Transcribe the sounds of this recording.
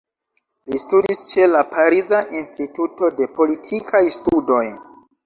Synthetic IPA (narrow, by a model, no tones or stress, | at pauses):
listudist͡ʃe̞lapʰaɾizaʔinstituto̞de̞po̞litʰikʰajstudo̞j